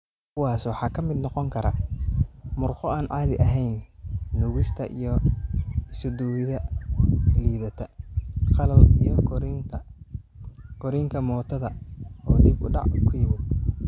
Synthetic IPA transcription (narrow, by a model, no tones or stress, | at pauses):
kʰʊwɑːswɑħɑːkʰɐmɪd̪nɔqɔŋkʰɐɾɐ̰ | mʊrqɔaːnʕɑːðɪʔɐɦɛjnːʊɣɪst̪ʰɐʔḭjɔ | ɪsʊd̪uːwɪðɐ | liːðɐt̪ʰɐqɑlɐlijɔɾnt̪ʰ | ɡ̥ɔɾiːŋkʰɐmɔːt̪ʰɐðɐɔːd̪ɪbʊ̰ɖɑ̰ʕʊkʰʊjɪwɪj